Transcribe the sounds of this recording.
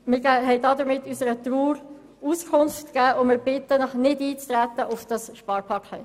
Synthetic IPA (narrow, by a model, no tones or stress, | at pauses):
mɪɡæhɛɪdɑd̪əɾmɪtːysəɾət̪ɾuːɾ | uskʰʊnftɡ̥æːʔʊmɪɾb̥ɪt̪ːənɔχnɪdiːt͡stɾæt̪ːəʔʊfd̥ɑsʃpɑːɾpʰɑkχɛ̰